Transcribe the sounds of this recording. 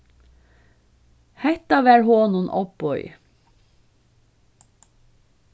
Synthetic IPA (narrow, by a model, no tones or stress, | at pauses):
hæt̪ɑːʋæːɹhoːnʊnʔɔ̰pɔʏ